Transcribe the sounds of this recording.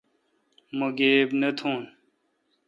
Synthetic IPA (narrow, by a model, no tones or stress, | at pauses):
moɡeːbnət̪ʰũːn